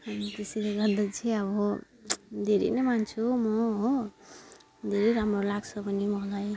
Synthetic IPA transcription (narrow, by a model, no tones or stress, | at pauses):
hamit̪esileɡʌɾd̪ʌt͡sʰiʌβʌ | d̪ʱeɾḛjnʌmant͡sʰumʌɦo | d̪ʱeɾejɾamɾolaɡt͡sʰʌpʌnimʌlaj